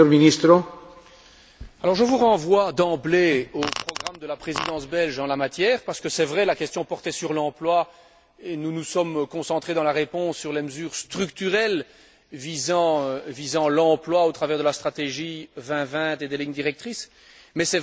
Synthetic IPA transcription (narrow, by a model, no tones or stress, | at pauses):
øminist̪ɾo | alɔʁʒəvuʁɑ̃vwad̪ɑ̃bleopχɔɡʁamd̪əlapχezid̪ɑ̃sbɛlʒɑ̃lamat̪jɛːʁpaʁsə̥kəsɛvʁɛlakʲɛst̪jɔ̃pɔʁt̪ɛsyʁlɑ̃plwa | enunusɔmkɔ̃sɑ̃t̪χed̪ɑ̃laʁepɔ̃sːyʁleməzyːʁst̪χykt̪yʁɛl | vizɑ̃øvizɑ̃lɑ̃plwaot̪χavɛʁd̪əlast̪χat̪eʒivɛ̃vɛ̃t̪ed̪eliɲd̪iʁɛk̚t̪χis | mɛsɛ